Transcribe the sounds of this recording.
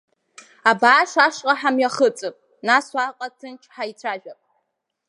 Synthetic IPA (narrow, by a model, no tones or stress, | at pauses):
abaːʃʷaʂqʼaħamjaχət͡sʼɨpʼ | naswaqʼatʰɨnʈ͡ʂʰħait͡sʷʰaʒᶣapʼ